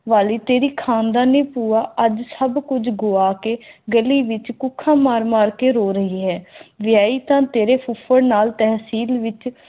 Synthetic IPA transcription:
ʋaːliːt̪eːɾiːkʰãːnd̪aːneːpuːaːʔəd͡ʒsəbkʊd͡ʒɡoːaːkeːɡəliːʋɪt͡ʃkʊkʰːãːmaːɾmaːɾkeːɾoːɾəɦiːɦɛːʋɪjaːiːt̪ãːt̪eːɾeːpʰʊpʰəɾnaːlt̪ɛːɦsiːlʋɪt͡ʃ

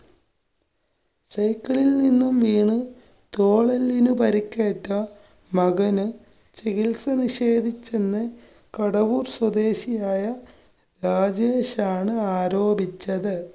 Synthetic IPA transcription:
sɐjkːɐɭilninːumʋiːɳɨ | t̪oːɭɐlːinupɐɾikʲːeːʈːɐ | mɐɣɐnɨ | t͡ɕeɣilsɐniɕe̞ːd̪ʱit͡ɕːenːɨ | kɐɽɐʋuːrswɐd̪e̞ːɕijaːjɐ | ɾaːd͡ʑeːɕaːɳɨaːɾoːbʱit͡ɕːɐðɨ

